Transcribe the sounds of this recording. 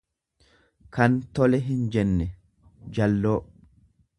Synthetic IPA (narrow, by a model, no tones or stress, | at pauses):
kɐnt̪ɔlɛɦɪnd͡ʒɛnːɛ | d͡ʒɐlːoː